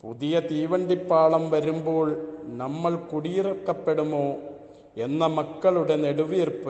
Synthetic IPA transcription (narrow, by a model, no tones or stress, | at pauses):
puðijɐt̪iːʋɐɳɖipːaːɭɐmʋɐɾumbo̞ːɭnɐmːɐɭkuɽijirɐkːɐpːe̞ɽumo̞ː | e̞nːɐmɐkːɐɭuɽe̞neɽuʋijirpːɐ